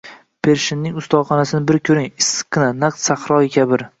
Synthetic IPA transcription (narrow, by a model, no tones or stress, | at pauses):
pʰe̞ɾʃɪnːɪŋʊst̪ɒχɑnasɪnɪbɪɾkʲʰɵɾɪŋɪsɨ̥kʰːɨnanaq̚t̪saχɾɒɪkʲʰabɪɾ